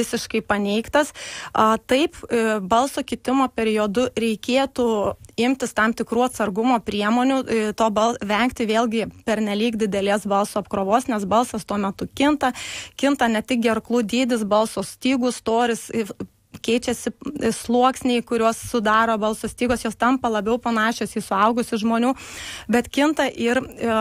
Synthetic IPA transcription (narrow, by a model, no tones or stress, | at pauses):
ʋʲɪsʲɪʃkɐɪpɐnʲɛɪkt̪ɐsɐt̪ɐɪpbɐlˠsoːkʲɪt̪ʲɪmoːpʲɛɾʲɪjoːd̪ʊɾʲɛɪkʲeːt̪uɪmʲt̪ʲɪst̪ɑmt̪ʲɪkɾuːɐt̪sɐrɡʊmoːpʲɾʲiɛmoːnʲʊt̪oːbɐlˠʋʲɛŋkt̪ʲɪʋʲeːlʲˠɡʲɪpʲɛɾʲnʲɛlʲiːkd̪ʲɪd̪ʲɛlʲeːsbɐlˠsoːɐpkɾoːʋoːsnʲɛsbɐlˠsɐst̪uɔmʲɛt̪ʊkʲɪnt̪ɐkʲɪnt̪ɐnʲɛt̪ʲɪk̚ɡʲɛrklˠuːd̪ʲiːd̪ʲɪs̬bɐlˠsoːsʲt̪ʲiːɡʊst̪oːɾʲɪsɪ | kʲɛɪt͡ʃʲɛsʲɪslˠuɔksʲnʲeɪkʊɾʲuɔsːʊd̪ɑːɾoːbɐlˠsoːsʲt̪ʲiːɡoːsjoːst̪ɐmpɐlˠɐbʲɛʊpɐnɑːʃʲoːsiːsʊɐʊɡʊsʲɪʒmoːnʲuːbʲɛt̪kʲɪnt̪ɐʔɪr